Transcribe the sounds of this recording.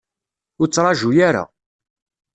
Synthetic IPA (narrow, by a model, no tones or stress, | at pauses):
ʊɾt͡sːɾˤɑʒujaɾa̰